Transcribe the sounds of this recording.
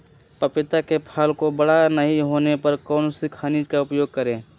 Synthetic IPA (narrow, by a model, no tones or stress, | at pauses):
pəpɪt̪akepʰaːlkobəɽanəɦĩɦoːnepɐɾkɔːnsikʰaːnid͡ʒkaʊpjoːɡ̚kəɾẽː